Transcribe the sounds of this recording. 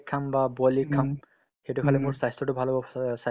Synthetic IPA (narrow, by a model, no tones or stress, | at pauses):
kʰːambabɔlikʰːam | xetukʰalɛmʊɹsajstɹɔtʊbʱalɔbɔsa